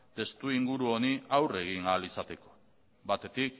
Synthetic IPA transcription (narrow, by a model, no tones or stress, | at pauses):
t̪e̞st̪uiŋɡuɾuo̞niawre̞ɣ̞iŋalisat̪e̞ko̞̥ | bat̪e̞t̪ik̚